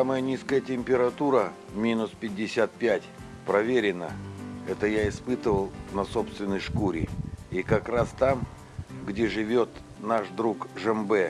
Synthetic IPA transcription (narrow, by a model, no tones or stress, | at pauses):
saməjənʲiskəjətʲɪmʲpʲɪɾɐt̪uɾə | mʲinʊspʲɪdʲːɪsʲat̪̚pʲætʲ | pɾɐvʲeɾʲɪnə̰ɛt̪əjaɪspɨt̪əvəlˠnɐso̞pst̪vʲɪnːəjʂkuɾʲɪikɐkɾast̪am | ɡdʲeʐɨvʲot̪ | naʂd̪ɾukʐɛmbɛ